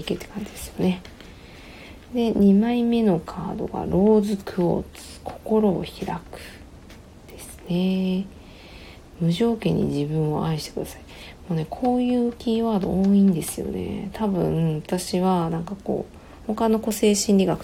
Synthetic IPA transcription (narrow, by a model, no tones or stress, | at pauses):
iket̪ːe̥kãɲ̟d͡ʑid̪esɨ̥jo̞ne̞ | d̪e̞ɲ̟imaime̞no̞kʰaːd̪o̞̰ɡa̰ɾo̞ːzɨkʰɯ̟o̰t͡sɨ̥kʰo̞̥ko̞ɾo̞̰ːçiɾakɯ̟̥ | d̪̥e̞sɨ̥ne̞ | mɯ̟ʑo̞ːkẽ̞ɲ̟ːḭd͡ʑibɯ̟̃ɰ̃o̞̰ʔaiɕit̪ekɯ̟d̪asḁi̥ | mo̞ːne̞kʰo̞ːjɯ̟ːkʲiːβaːd̪o̞̰ʔoːĩnd̪e̞sɨjo̞̰ne̞̰t̪ʰabɯ̟̰̃at̪aɕiβanãŋkako̞̰ː | ho̞kano̞ko̞se̞ːɕĩnʲɾʲiɡakɯ̥